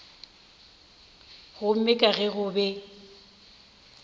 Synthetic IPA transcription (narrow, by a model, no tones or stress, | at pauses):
ɣʊm̩mɪkʼaɣɛɣʊbɛ